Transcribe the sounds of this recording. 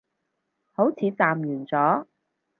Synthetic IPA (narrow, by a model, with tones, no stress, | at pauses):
ho˨˥wt͡sʰiː˨˧t͡saː˨mjyː˨˩nt͡sɔː˨˥